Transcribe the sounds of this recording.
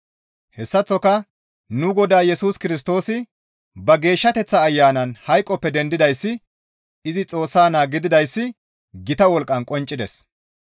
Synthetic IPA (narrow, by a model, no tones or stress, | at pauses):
hɛsːɐt͡sːɔkɐ | nʊɡɔd̪aːjɛsuːskɪɾɪs̬t̪o̞ːsɪ | bɐɡe̞ːʃːɐt̪ɛt͡sːɐːjːaːnɐnhɐjkʼːɔpːɛd̪ɛnd̪ɪd̪ɐjsːɪ | ɪzɪt͡sʼo̞ːsːaːnaːɡɪd̪ɪd̪ɐjsːɪ | ɡɪt̪ɐwɔlkʼːɐnkʼɔnt͡ʃʼːɪd̪ɛs